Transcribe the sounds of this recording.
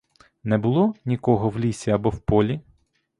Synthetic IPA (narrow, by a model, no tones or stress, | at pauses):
nɛbʊlˠɔnʲikɔɦɔwlʲisʲiɐbɔwpɔlʲi